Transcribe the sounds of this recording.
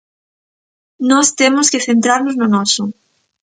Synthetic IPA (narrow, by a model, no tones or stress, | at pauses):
nɔst̪emʊskeθent̪ɾaɾnoznonɔsʊ